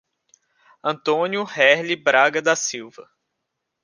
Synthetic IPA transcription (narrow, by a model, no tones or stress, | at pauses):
ɐ̃nt̪õnjʊhɛɾlibɾaɡɐd̪ɐsiwvɐ